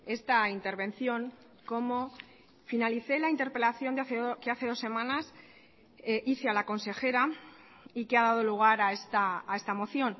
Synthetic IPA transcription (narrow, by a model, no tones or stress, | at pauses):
e̞st̪aint̪e̞ɾβ̞ẽ̞nθjo̞ŋ | ko̞mo | finaliθe̞laint̪e̞ɾpe̞laθjo̞nd̪eaθekeaθe̞ð̞o̞sːe̞mãnas | iθealako̞nse̞xe̞ɾa | ikeað̞að̞o̞luɣ̞aɾaest̪aːe̞st̪amo̞θjo̞n